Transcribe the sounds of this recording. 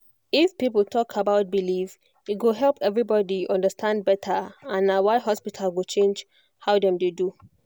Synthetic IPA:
ifpipəl̩tʰɔkʰabaʊt̚biliv | itɡoɦɛlˠpɛvɹibɔdiɔ̃ndəstʰãnd̚bɛtʰəãnːawaɪɦɔspitʰalwut͡ʃʰẽnd͡ʒ | haʊdɛ̃mdedu

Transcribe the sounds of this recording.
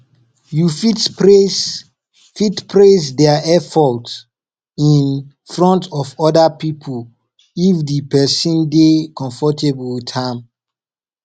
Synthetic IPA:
jufites | fitpʰɹes̬dɛaʔɛfɔt | ĩn | fɹɔ̃ntɔfɔdapipʰol | ifdipɛsɔ̃ndekɔ̃ɱfɔtebwidhãm

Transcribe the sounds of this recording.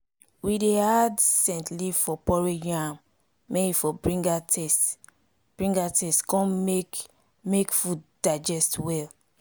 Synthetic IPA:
wideadsɛ̃ntlivfɔpɔɹejãmː | eifɔbɹĩŋɡatʰɛst | b̥ɹĩŋɡatʰɛstkɔ̃e | mekfudd̥ad͡ʒɛstwɛl

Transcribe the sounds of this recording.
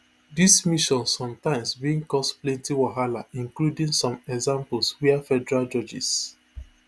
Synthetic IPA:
dismiʃɔ̃nsɔ̃mtãɪ̃msbiĩŋkɔsplẽntiwɔɦalaĩŋkludĩŋsɔ̃mɛɡzãmpəlˠswiafɛdɛɹald͡ʒɔd͡ʒḭs

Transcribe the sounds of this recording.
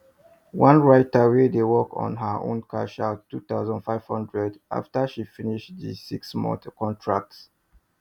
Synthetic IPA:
wãnɹaɪtəwedewɔkɔ̰̃nɦəʔõ̰nkʰaʃaʊtːut̪aʊzə̃ndfaɪv̥hʌ̃ndɹɛdʔa̰ftəʃifiniʃtðḭsiksmɔ̰̃ntkɔ̃ntʰɹak̚ts

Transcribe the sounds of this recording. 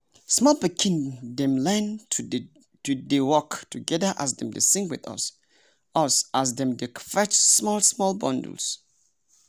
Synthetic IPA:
smɔlpikʰĩndɛ̃mlɛ̃n | tudewɔktuɡɛðəʔa̰sdɛ̃mdḛsɪ̃ŋkwɪ̰ðʌ̰s | ʔʌsʔazdɛ̃mdekfɛt͡ʃsmɔlsmɔlbɔ̃ndə̰l̩s

